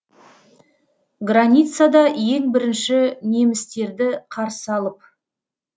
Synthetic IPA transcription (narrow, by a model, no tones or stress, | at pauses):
ɡranʲijt̪sad̪ɑje̞ŋbɪɾɪnʃɪne̞mɪst̪e̞ɾd̪ɪqʰɑɾsəɑlˠəp̚